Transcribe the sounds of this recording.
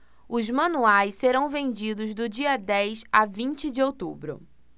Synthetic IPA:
ʊzmɐ̃nuajsseɾɐ̃w̃vẽnd͡ʒid̪ʊzd̪ʊd͡ʒiɐd̪ɛjsavĩnt͡ʃɪd͡ʒɪowt̪ubɾʊ̰

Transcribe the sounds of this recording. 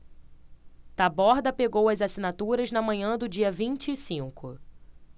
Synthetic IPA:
t̪abɔɾd̪ɐpeɡowɐzasinat̪uɾɐznɐmɐ̃ɲɐ̃d̪ʊd͡ʒiɐvĩnt͡ʃɪːsĩŋkʊ

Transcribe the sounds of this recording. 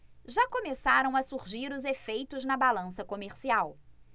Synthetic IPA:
ʒakomesaɾɐ̃w̃ɐsuɾʒiɾʊzefejt̪ʊznɐbalɐ̃sɐkomeɾsiaw

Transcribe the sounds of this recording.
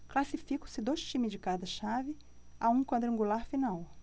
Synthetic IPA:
klasifikɐ̃sɪd̪ojst͡ʃĩmɪzd͡ʒɪkad̪ɐʃavɪ | aũkwɐ̃d̪ɾɐ̃ŋɡulaɾfinaw

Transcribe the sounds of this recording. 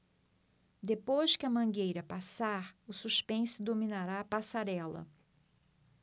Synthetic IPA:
d̪epojʃkɪɐmɐ̃ŋɡejɾɐpasaɾʊsuʃpẽsʊd̪omĩnaɾaːpasaɾɛlɐ̰

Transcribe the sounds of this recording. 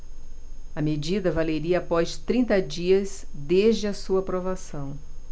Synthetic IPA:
ɐmed͡ʒid̪ɐvaleɾiɐːpɔst̪ɾĩnt̪ɐd͡ʒiɐsd̪eʒd͡ʒɪɐsuɐpɾovasɐ̃w̃

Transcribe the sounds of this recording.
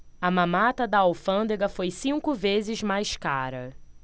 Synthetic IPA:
ɐmɐ̃mat̪ɐd̪ɐawfɐ̃nd̪eɡɐfojsĩŋkʊvezɪzmajska̰ɾɐ̰

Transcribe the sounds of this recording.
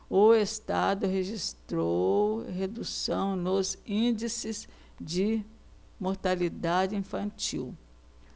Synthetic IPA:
ʊest̪ad̪ʊɦeʒist̪ɾowɦed̪usɐ̃w̃nʊzĩd͡ʒisɪz | d͡ʒɪ | moɾt̪alid̪ad͡ʒɪĩfɐ̃t͡ʃḭw

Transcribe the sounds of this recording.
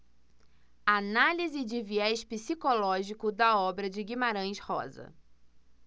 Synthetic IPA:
analizɪd͡ʒɪviɛʃpisikolɔʒikʊd̪ɐɔbɾɐd͡ʒɪɡimaɾɐ̃j̃ʃhɔ̰zɐ̰

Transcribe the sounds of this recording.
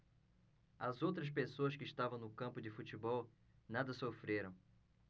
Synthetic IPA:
ɐzowt̪ɾɐs̬pesoɐskɪːʃt̪avɐ̃w̃nʊkɐ̃mpʊd͡ʒɪfut͡ʃibɔw | nad̪ɐsofɾeɾɐ̃w̃

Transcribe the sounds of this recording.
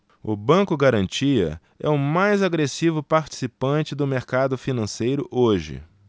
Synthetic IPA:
ʊ̰bɐ̃kʊɡaɾɐ̃nt͡ʃiɐ̰ | ɛʊmajzaɡɾesivʊpaɾt͡ʃi̥sipɐ̃nt͡ʃɪd̪ʊmeɾkad̪ʊfinɐ̃sejɾʊʔoʒɪ̰

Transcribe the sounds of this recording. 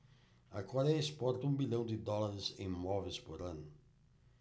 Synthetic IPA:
ɐkɔɾɛespɔɾt̪ɐũbilɐ̃w̃d̪ɪd̪ɔlaɾɪzḛ̃j̃mɔvejspoɾɐ̃nʊ

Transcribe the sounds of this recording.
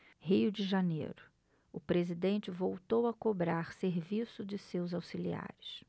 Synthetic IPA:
hiʊd͡ʒɪʒanḛjɾʊ | ʊpɾezid̪ẽnt͡ʃɪvowt̪owɐkobɾaɾseɾvisʊd͡ʒɪsewzawsilia̰ɾɪs

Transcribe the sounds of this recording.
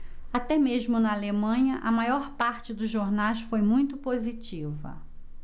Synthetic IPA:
at̪ɛmeʒmʊnɐalemɐ̃ɲɐʔɐmajɔɾpaɾt͡ʃɪd̪ʊzʒoɾnajsfojmũj̃t̪ʊpozit͡ʃivɐ̰

